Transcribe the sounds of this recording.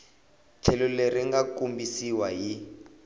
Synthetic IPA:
t͡ɬʰɛlɔleriŋɡakumbisiwaɦi

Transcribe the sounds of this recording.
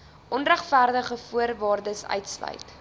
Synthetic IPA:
ʔɔnræχfæːrdəχəfuərvɑːrdəsœ̰ɥtslœ̰ɥjt

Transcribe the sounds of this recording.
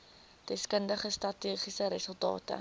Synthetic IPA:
d̥ɛskəndəχəstrɐtiːχisəɾəsəlˠtɑ̰ːtə̰

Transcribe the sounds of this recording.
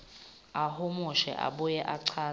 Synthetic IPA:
ahʊmʊʃɛ̰ʔa̰ɓujɛʔaǀʰaː

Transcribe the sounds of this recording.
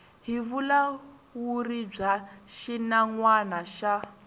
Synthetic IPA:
ɦivula | wurib͡ʐaʃinaŋwanaʃa

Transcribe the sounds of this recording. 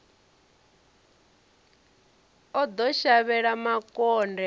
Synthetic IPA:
ɔd̪ɔʃaβɛɺamakʼɔndɛ

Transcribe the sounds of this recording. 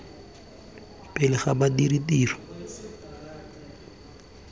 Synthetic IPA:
pʼɪlɪχabadiritiːrɔ̥

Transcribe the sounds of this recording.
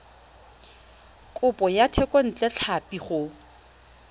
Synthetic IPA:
kʼʊpʼɔjatʰɛkʼɔn̩t͡ɬʼɛt͡ɬʰapiχʊ

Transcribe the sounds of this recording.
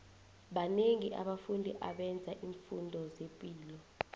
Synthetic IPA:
ɓaneŋiʔaɓafundʱiʔaɓɛnd͡zʱaʔiːɱfundʱɔzepʼiːlɔ

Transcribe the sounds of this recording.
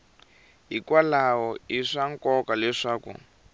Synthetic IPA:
ɦikwalaɦɔiʂaŋkɔkalɛʂaːkṵ

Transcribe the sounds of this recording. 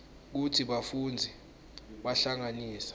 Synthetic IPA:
k̬utʰiɓafuːnd͡zʱi | ɓaɬaŋaniːsḁ

